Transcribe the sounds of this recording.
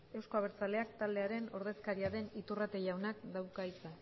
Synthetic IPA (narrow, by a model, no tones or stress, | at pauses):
e̞wsko̞aβ̞e̞ɾt͡sale̞akt̪ald̪e̞aɾe̞no̞ɾðe̞skaɾiaðe̞nit̪urat̪e̞ʝawnakd̪awkait͡sa